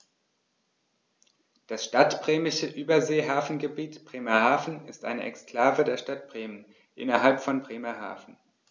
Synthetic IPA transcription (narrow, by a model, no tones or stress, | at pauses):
d̥asʃtatb̥ʁ̥eːmɪʃəʔyːbɐzeːɦaːfn̩ɡəbiːtb̥ʁ̥eːmɐhaːfn̩ɪstʔaɪnəʔɛ̰kskl̥aːvədeːɐʃtat̚b̥ʁeːmən | ʔɪ̰nɐɦalpfɔnbʁeːmɐha̰ːfn̩